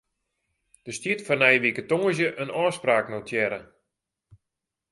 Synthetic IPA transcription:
d̥əstitfɔrnɛjʋikətoŋəz̬jəʔənɔːspraːknotʰjɛɾə

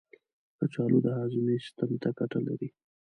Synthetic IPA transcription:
d̪̥ət͡ʃɑlod̪əɦɑzunest̪ant̪akaʈala̰ɾi

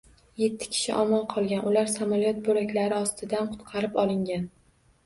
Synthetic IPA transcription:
je̞t̪ʰːɪ̥kʲʰɪ̥ʃɪ̰ʔɒmɒnqʰɒlˠɡʲanʔʊlaɾsamalijɒt̪̚bɵɾakʲlaɾɪɒst̪ʰɪd̪anqʰʊ̥t̪qʰɑɾɪpɒlˠɪŋɡʲan

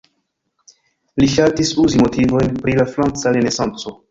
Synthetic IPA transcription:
liʃaltisuzimo̞tivo̞jnpɾilafɾant͡saɾene̞sant͡so̞

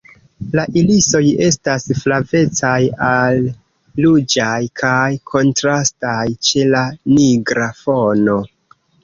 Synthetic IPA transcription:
laʔiliso̞je̞stasflave̞t͡sajalː | ud͡ʒajkʰajkʰo̞ntɾastajt͡ʃe̞laniɡɾafo̞no̞

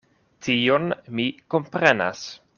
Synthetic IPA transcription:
tionmikompɾena̰s

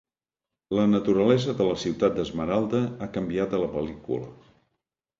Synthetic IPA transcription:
lənət̪uɾəlɛzəðələsiwt̪at̪̚d̪əzməɾalˠd̪əakəmbiat̪ələpəlikṵlə̰

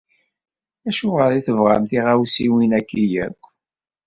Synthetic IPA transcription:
æʃʊʁəɾiθəvʁa̰mθiʁæwsiwinækːijæ̰kʷː

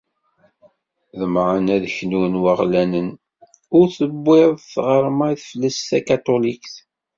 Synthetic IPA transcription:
ðəmʕənæðçnunwəʁlænən | ʊɾθəbːɪðˤθʁəɾˤmaθflːæsθækat̪olikθ

